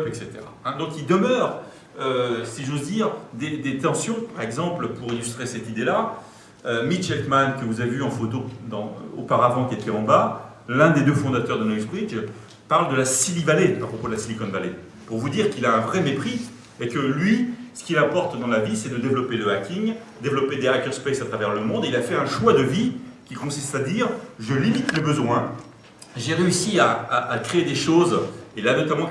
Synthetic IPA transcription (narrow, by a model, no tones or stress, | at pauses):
pɛkset̪ḛʁa̰ɛ̃d̪ɔ̃kild̪əmœʁ | øsiʒozd̪iʁd̪ed̪et̪ɑ̃sjɔ̃paʁɛɡzɑ̃plpuʁilyst̪χesɛt̪id̪ela | ømit͡ʃɛlt̪mankəvuzavevyɑ̃fot̪od̪ɑ̃o̰paʁavɑ̃kʲiet̪ɛɑ̃ba | lɛ̃d̪ed̪øfɔ̃d̪at̪œʁd̪ənɔjsbʁid͡ʒ | paʁld̪əlasilivaleapχɔpod̪əlasilikɔnvale | puʁvud̪iʁkilaɛ̃vʁɛmepχi | ekəlɥisə̥kʲilapɔʁt̪d̪ɑ̃lavisɛd̪əd̪evlɔpeləakʰʲiŋ | d̪evlɔped̪eak̪ʲœʁspesat̪χavɛʁləmɔ̃d̪eilafɛɛ̃ʃwad̪əvikʲikɔ̃sist̪ad̪iʁʒəlimit̪mebəzwɛ̃ | ʒeʁeysiaaʔakχeed̪eʃozelanɔt̪amɑ̃